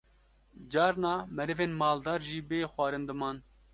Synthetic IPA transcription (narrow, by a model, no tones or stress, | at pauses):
d͡ʒɑːɾnɑːmɛɾɛveːnmɑːld̪ɑːɾʒiːbeːxwɑːɾɨnd̪ɨmɑːn